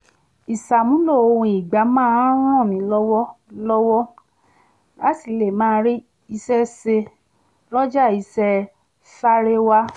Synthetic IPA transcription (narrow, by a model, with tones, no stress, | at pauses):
i˨sa˨mũ˨˦lo˦˨o˧wũ˧i˨ɡ͡ba˨˦mãː˦ɾ̃ã˦˨mĩ˨˦lɔ˦wɔ˦lɔ˦wɔ˦ | la˦si˦˧˨le˨mãː˦˧˦ɾi˦ | i˧sɛ˦se˧ | lɔ˦d͡ʒa˦˨i˧sɛ˦ | fa˦ɾe˦wa˦